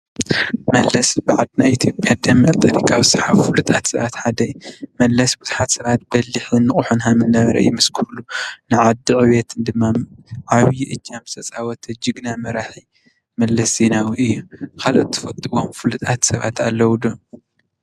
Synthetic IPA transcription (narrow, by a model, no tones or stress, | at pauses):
mɐlːɐsbɨʕad̪ɨnajit̪ʰjo̞pʼjad̪ɐmːɐlt̪ʼɐɾikʰʼawisɨħaβfɨlut̪ʼat̪sɐβat̪ħad̪ɐmɐlːɐsbuz̥uħat̪sɐβat̪̚bɐlːiħinːɨχʼuħunɦamɨnːɐβɐɾɐ̰jimɨskʰuɾlunɨʕad̪ɨʔʼɨwet̪ʰɨnd̪ɨmːaʕaβjʔɨd͡ʒːamɨsɐt͡sʼawɔt̪ʰɐd͡ʒɨɡnamɐɾaħi | mɐlːɐsinawiɨjːukʰalo̰t̪ʰːɨ̥fɐt̪ʼɨwomfɨlut̪ʼat̪sɐβa̰t̪ʰalːɐwud̪o